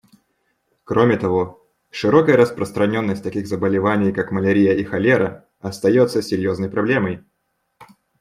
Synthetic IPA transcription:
kɾo̞mʲɪt̪ɐvo̞ | ʂɨɾo̞kəjəɾəspɾəst̪ɾɐnʲo̞nːəsʲtʲt̪ɐkʲiɣzəbəlʲɪvanʲɪjkakməlʲɪɾʲijəixɐlʲeɾə | ɐst̪ɐjo̞t̪səsʲɪɾʲjo̞znəjpɾɐblʲe̞məj

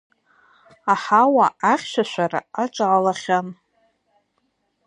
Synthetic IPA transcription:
aħawaaχʲʃʷᶣaʃʷara̰at͡ʃʷʼaʕːlaχʲan

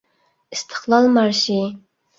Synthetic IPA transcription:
ist̪ʰə̥χlˠɑlˠmɑɾʃi

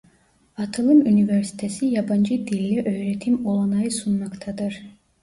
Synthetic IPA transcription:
ɑt̪ʰɯlˠɯmuniveɾsi̥t̪ʰesijɑbɑnd͡ʒɯd̪ilʲːiʔøjɾet̪ʰimolˠɑnɑjɯsunmɑqt̪ʰɑd̪ɯɾ

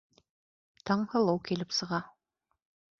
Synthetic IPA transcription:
t̪ʰɑɴhɤ̆lˠɤwkilɘpsɤ̆ʁɑ

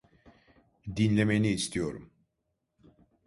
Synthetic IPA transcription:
d̪inlʲemejiniːst̪ʰijo̞ɾṵm

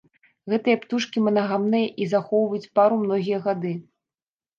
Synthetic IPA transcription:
ɣɛt̪ɨjɛpt̪uʂkʲimɐnɐɣamnɨjɐʔizaxɔwvɐjut͡sʲpaɾumnɔɣʲijɐɣad̪ɨ

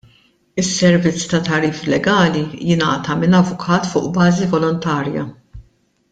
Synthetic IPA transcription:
ɪsːɛɾvɪt͡sːt̪ɐt̪ɐɾiːflɛɡɐːlijɪnɐ̰ːt̪ɐmɪnɐvːʊkʰɐːt̪fʊ̰ːʔbɐːzivɔlɔnt̪ɐːɾjɐ̰

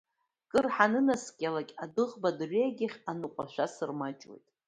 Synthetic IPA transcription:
kʼɨrħanɨnaskʲʼalakʲʼadɨʁbadrʷeɡʲɪχʲanɨqʷʼaʃʷᶣasɨrmat͡ʃʼwḛjtʼ

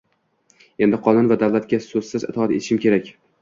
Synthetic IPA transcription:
e̞nd̪ɪqʰɒnʊnvad̪awlat̪̚kʲasɵzsɪzɪt̪ʰɒt̪e̞t̪ʰɪʃɪmkʲe̞ɾakʲ

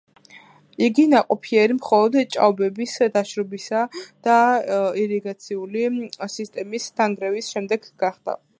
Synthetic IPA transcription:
iɡinaqʼɔpʰiɛɾimχɔlˠɔd̪t͡ʃʼa̰vbɛbisd̪aʃɾɔbisad̪̥aiɾiɡat̪sʰiulisist̪ʼɛmist̪ʰaŋɡɾɛvisʃɛmd̪ɛɡɡaχd̪̥a̰

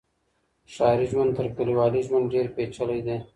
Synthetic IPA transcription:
ʃɑɪɾiʒwant̪əɾkəliwɑːliʒwanɖeɾpet͡ʃəlajd̪e

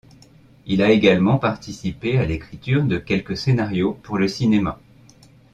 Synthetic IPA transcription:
ilaeɡalmɑ̃paʁt̪isipealekχit̪yʁd̪əkʲɛlkəsenaʁjopuʁləsinema

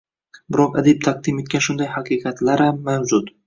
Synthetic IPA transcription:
bɪɾɒqad̪ip̚t̪ʰaq̚d̪ime̞t̪̚kʲanʃʊnd̪ajhaqʰɨːqɑt̪laɾhamːawzʊt̪

